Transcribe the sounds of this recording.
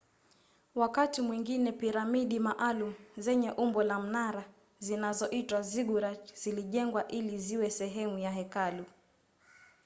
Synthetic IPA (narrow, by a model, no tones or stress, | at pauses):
wakatimwiŋɡinɛpiɾamiɗimaʔalum̩zɛɲɛʔumbɔlam̩naɾa | zinazɔʔitwaziɡuɾat͡ʃz̥iliʄɛŋɡwaʔiliziwɛsɛɦɛmujaɦɛkalu